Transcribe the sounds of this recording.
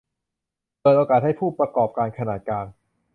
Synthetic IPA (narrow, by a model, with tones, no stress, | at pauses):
pɤː˨˩t̪̚ʔoː˧kaː˨˩t̪̚ha˥˩jpʰuː˥˩pɾa˧kɔː˨˩p̚kaː˧nkʰa˧naː˨˩t̪̚kaː˧n